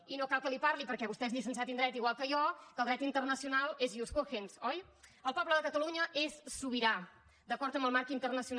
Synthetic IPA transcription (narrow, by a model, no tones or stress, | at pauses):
inokalˠkəlipaɾlipəɾkɛβust̪ɛzlisəns̬at̪ind̪ɾɛt̪iɣwalˠkəjɔkəlˠd̪ɾɛt̪int̪ərnəsiunalˠeziuskoxensɔj | əlˠpɔβləðəkət̪əluɲəʔesːuβiɾa | d̪əkɔɾt̪əmbəlˠmaɾkint̪ərnəsiun